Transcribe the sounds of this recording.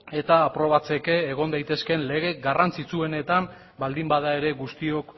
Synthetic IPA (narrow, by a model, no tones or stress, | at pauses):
e̞t̪aːpɾo̞βat͡se̞ke̞ːɣ̞o̞nd̪ajt̪e̞ske̞nle̞ɣ̞e̞ɡarant͡sit͡sue̞ne̞t̪am | bald̪imbað̞ae̞ɾe̞ɣust̪io̞k